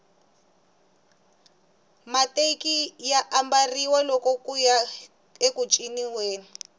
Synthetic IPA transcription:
matekijaʔambariwalɔkɔkuja | ekut͡ʃʼiniweːnu

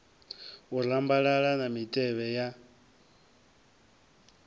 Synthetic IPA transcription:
urambaɺaɺanamitʼɛβɛja

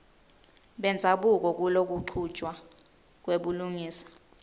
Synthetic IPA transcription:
ɓɛnd͡zʱaɓuk̬ɔk̬ulok̬uǃʰud̥ʒ̥ʱʼwa | k̬weɓuluŋiːsḁ

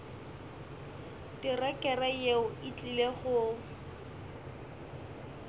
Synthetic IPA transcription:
tɪrɛkʼɛrajeʊit͡ɬʼileχʊ

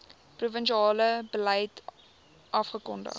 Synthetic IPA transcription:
pruvənʃiɑːləbəlɛjt | ʔɐfχəkɔndə̰χ

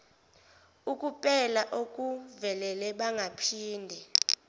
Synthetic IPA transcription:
ukʼupʼɛlaʔokʼuvɛlɛlɛɓaŋɡʱapʰiːndʱɛ

